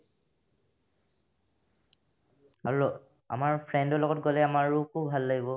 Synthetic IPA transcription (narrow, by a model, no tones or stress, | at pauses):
a | a̰maɹpʰɹɛndɔlɔɡɔtɡolɛamaɹukʰubbʱalːaɡibɔ